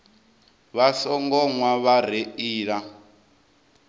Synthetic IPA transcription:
βasɔŋɡɔŋwaβaɾ̤eiːɺa

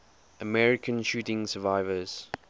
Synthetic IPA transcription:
əmɛɹɪkʰə̃nʃuːtɪ̃ŋsəvaɪvəz̥

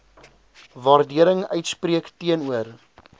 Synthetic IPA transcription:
vɑːrdiəɾəŋœɥtspriəktiənuər

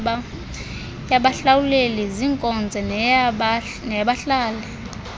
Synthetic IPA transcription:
jaɓaɬawuleliziŋkʼɔnd͡zʱɛ | nɛɓaɬaːlɛ

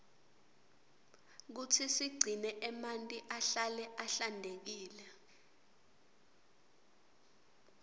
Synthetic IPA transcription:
k̬utʰisiɡ͡ǀʱinɛʔɛmantʼiʔaɬalɛʔaɬandʱek̬iːlɛ

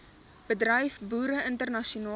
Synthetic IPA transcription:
b̥ədrəjfbuːɾəəntərnɐʃiunɑː

